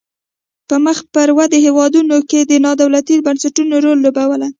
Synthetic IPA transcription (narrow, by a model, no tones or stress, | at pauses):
pəməxpəɾwad̪əhewɑd̪unoked̪ənɑd̪awlat̪ibansaʈunoɾolːobawəla